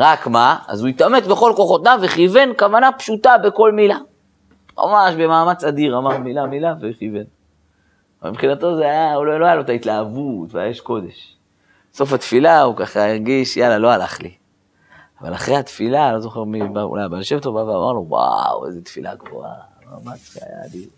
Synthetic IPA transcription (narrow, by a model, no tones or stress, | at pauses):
ʁakmaa̰zuit̪ame̞tbeχo̞lko̞χo̞t̪̚naveχive̞nkavanapʃut̪abe̞ko̞lmila | mʔa̰maʃbe̞maːmat͡sad̪iʁamaʁmilamilaveχive̞n | ava̰lpχinat̪o̞zeajauloloajalot̪ait̪laːvut̪vea̰jajeʃko̞d̪e̞ʃ | so̞fat̪filaukaχaeʁɡiʃjalalo̞alaχlḭ | ava̰laχʁehat̪filalo̞zo̞χeʁmibaṵlajbalʃevt̪ovaveamʔa̰ʁlo̞wa̰wḛzet̪filʔa̰ɡvo̰a̰maːmat͡sʃea̰ja̰a̰d̪iʁ